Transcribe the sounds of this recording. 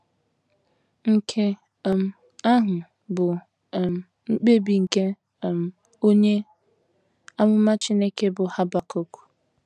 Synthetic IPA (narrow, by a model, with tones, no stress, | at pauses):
ŋ̩˨kʰe˦˨ | m̩˦ | a˦ɦʊ˨ | bʊ˨ | m˨ | ŋ͡m̩˦k͡pe˦bi˨ŋ̩˨ke˦˨ | m̩˨ | o˦ɲe˦ | a˦mʊ˦ma˦t͡ʃi˦ne˦ke˦bʊ˨ha˦ba˨ko˦ku̥˨